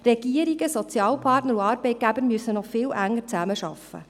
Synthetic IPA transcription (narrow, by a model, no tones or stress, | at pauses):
rɛɡ̥iəɾiɡəsɔt͡sjɑːlpʰɑːrtnəɾuɑːɾbɛɪt̚ɡ̥æbəɾmyəsənɔχfɪːlʔæŋːəɾt͡sæməʃɑ̰fːə̰